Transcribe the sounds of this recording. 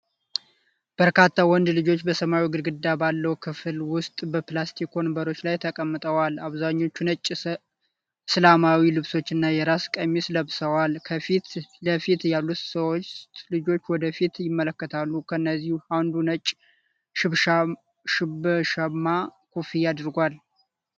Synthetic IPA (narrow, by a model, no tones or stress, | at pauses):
b̥əɾkʰat̪ʰːawɔnd̪lɨd͡ʒo̞t͡ʃːbəsəmaiɡɨɾɡɨd̪ːabalːəwukʰɨfɨlwʊst̪ʼbəplast̪ʰikʰo̞nbəɾo̞t͡ʃːlajt̪ʰəkʼəmːɨt̪ʼəwalaβzaɲːo̞t͡ʃːunət͡ʃʼː | slamawilɨβso̞t͡ʃːɪnːajɛɾaskʼəmːisləβsəwalkʰəfit̪ləfit̪jalːut̪səwot̪lɨd͡ʒo̞t͡ʃːwɔd̪əfit̪jɪmːələkːət̪ʰalːukʰəɨnːəzːihuhand̪unət͡ʃʼ | ʃɨβʃa | ʃɪbɨʃəmːakʰufijad̪ɾɡʷal